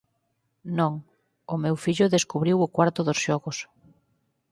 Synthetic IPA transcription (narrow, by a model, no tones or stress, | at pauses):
nõŋ | ʊmewfiʎʊðeskuβɾiwʊkwaɾt̪ʊðʊsʃɔɣʊs